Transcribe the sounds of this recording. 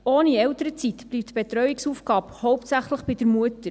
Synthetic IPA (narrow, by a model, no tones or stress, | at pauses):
oːniɛwt̪əɾət͡sit̪b̥liːp̚t̪b̥et̪ɾœɥiksuːfɡ̥ɑːphɔwp̚tsæχləχb̥ɪd̥əɾmuət̪ə